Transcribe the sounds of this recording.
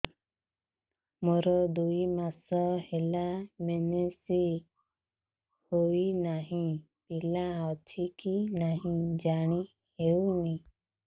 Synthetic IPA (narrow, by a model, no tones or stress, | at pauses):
mɔɾɔd̪uimasɔhelamenesi | hoinaɦĩ | bilaɔt͡ʃʰikinaɦĩd͡ʒaɽ̃i | hewni